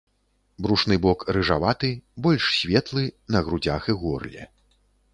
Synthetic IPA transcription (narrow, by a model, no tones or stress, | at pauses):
bɾuʂn̪ɨbɔkrɨʐavat̪ɨbɔlʲʂsʲvʲɛt̪lˠɨnɐɣɾud͡zʲaxɨɣɔrlʲɛ̰